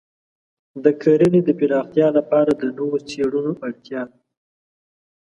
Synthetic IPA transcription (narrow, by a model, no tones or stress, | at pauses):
d̪əkʰaɾəned̪əpɪɾɑɣt̪jɑlapɑɾad̪ənowot͡seɽunoʔaɽt̪jɑ